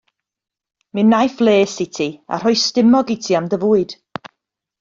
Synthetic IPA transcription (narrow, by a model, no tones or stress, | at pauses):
mɨnːajflˠeːsɪtʰia̰r̥ɔɨstɪmɔɡitʰiamdəvuːɨd̥